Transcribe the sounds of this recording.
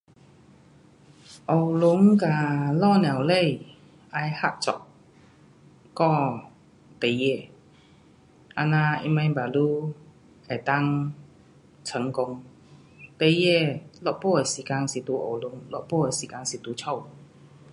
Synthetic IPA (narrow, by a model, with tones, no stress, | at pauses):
ʔɔ˨˩wlʊ˨˧˦ŋka˧lɔ˥˧˨nã˨˩wle˥˩˨j | ʔa˧jha˦˧˩ʔ̚t͡sɔ̰˨ʔ̚ | kɔ˥˧ | t̪e˧je˥˧˩ | ʔa˧nã˧ḭ˧ma˧jba˨˩lu˦ | e˨˩t̪a˦˥ŋ | t͡sʰə˨˦ŋkʊ˧ŋ | t̪e˧je˧˨lɔ˨˧˩ʔ̚po˥˧˨e˨˩si˨ka˧ŋsi˨˩t̪u˧ʔo̰˨˩wlʊ˨˧˦ŋlɔ˧˨po˥˨e˨˩˨si˨ka˧ŋsi˨˩t̪u˧t͡ɕʰɔ˥˧˩w